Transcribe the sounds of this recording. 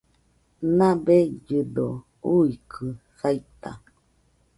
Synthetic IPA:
nãbed͡ʒɨdo | uikʰɨ | sajt̪a̰

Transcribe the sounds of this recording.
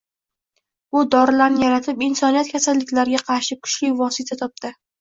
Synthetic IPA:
ʊd̪ɒɾɪlaɾnɪjaɾat̪ʰɪpɪnsɒnijat̪̚kʲʰasalːɪkʲlaɾɡʲaqʰɑɾʃɪkʰʊ̥t͡ʃlɪvɒsɪt̪ʰat̪ʰɒp̚d̪ɪ

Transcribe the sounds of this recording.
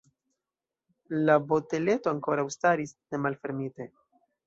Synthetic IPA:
labo̞te̞le̞to̞aŋko̞ɾawstaɾisne̞malfe̞ɾmite̞

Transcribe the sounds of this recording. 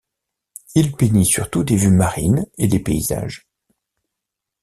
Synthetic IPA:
ilpenisyʁt̪ud̪evymaʁḭned̪epeḭza̰ʒ

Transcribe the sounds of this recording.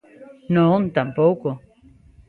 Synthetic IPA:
nont̪ampowko

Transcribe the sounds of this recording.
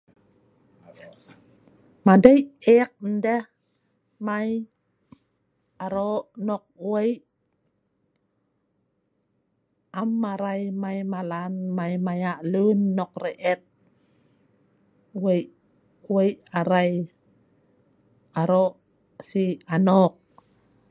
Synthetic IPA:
madajek̚n̩de | maj | aɾoʔnɔk̚wejʔ | amːaɾajmajmalanmajmajaʔlunːɔk̚rɛʔɛt̪̚ | wejʔ | wejʔaɾaj | aɾoʔ | sianɔk̚

